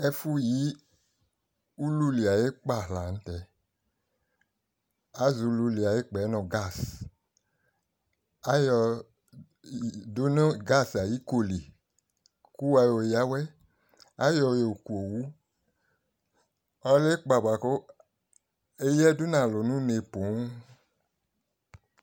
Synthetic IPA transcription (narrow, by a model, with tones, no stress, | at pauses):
ɛ˧fu˦ji˨˦ | u˦lu˦li˨a˨je˦k͡pa˦˨ɦla˨n̩˦tɛ˧ | a˦zu˧lu˧li˨a˨je˦k͡pɛ˨˦nɔ˧˨ɡa˦˨s | a˦jɔ˧˨ | du˨˦n˦ɡa˦˨sa˨ji˨˦ko˧li˨ | ku˦wa˧jo˧ja˦wɛ˦ | a˦jɔ˧jo˨ku˨o˨wu˨˦ | ɔ˧le˦k͡pa˨ba˨ko˦ | e˧jɛ˦du˦nã˨lo˨nũ˦ne˧po˨˦